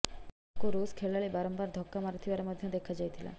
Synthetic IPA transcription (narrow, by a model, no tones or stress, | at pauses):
koɾuskʰeɭaɭibaɾɔmbaɾd̪ʱɔkːamaɾt̪ʰibaɾemɔd̪ʱjɔd̪ekʰad͡ʑajt̪ʰila̰